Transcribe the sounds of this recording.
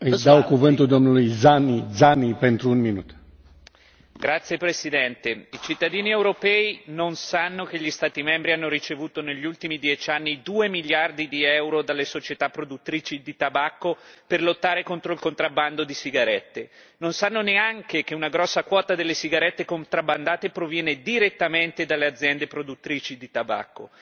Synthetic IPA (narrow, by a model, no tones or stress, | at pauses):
ɨjd̪awkuvɨnt̪uld̪omnulujzanizanːipent̪ɾuunminut̪ | ɡɾat̪sːjepɾesid̪ɛnt̪eit͡ʃit̪ːad̪iːniewɾopɛːinonsanːok̟eʎːist̪aːt̪imɛmbɾianːoɾit͡ʃevuːt̪oneʎːult̪imid̪jɛt͡ʃanːid̪uːemiljard̪id̪iɛwɾod̪alːesot͡ʃet̪apːɾod̪ut̪ːɾiːt͡ʃid̪it̪abakːoperlot̪ːaːɾekont̪ɾoilkont̪ɾabːand̪od̪isiɡaɾɛt̪ːe | nonsanːoneaŋkekeunaɡɾɔsːakwɔːt̪ad̪elːesiɡaɾɛt̪ːekont̪ɾabːand̪aːt̪epɾovjɛːned̪iɾet̪ːament̪ed̪alːead̪zːjɛnd̪epɾod̪ut̪ːɾiːt͡ʃid̪it̪aba̰kːo̰